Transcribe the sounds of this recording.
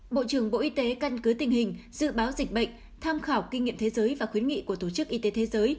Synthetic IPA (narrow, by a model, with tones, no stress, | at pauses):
ɓo̰˧˨t͡ɕɨ˧˩əŋɓo̰˧˨ʔi˧t̪e˨˦ka˧nkɨ˨˦t̪ï˨˩ŋ̟hï˨˩ŋ̟zɨ̰˧˨ɓaː˨˦wzï˨˩k̟̚ɓə̰˧˨ŋ̟ | t̪ʰaː˧mxaː˧˩wki˧ŋḭ˧əmtʰe˨˦zəː˨˦jvaː˨˩xwi˨˦nŋḭ˧˨ku˧˩ət̪o˧˩t͡ɕɨ˦˥k̚ʔi˧t̪e˨˦t̪ʰe˨˦zəː˨˦j